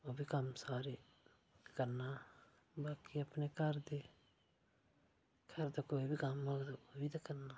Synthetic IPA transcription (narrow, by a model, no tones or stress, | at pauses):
oːbiːkəmsaːɾeː | kəɾnaː | baːkiəpneːkəɾd̪eː | kʰəɾd̪aːkoːibʱiːkəmːəɡd̪oːoːbiːd̪akəɾnaː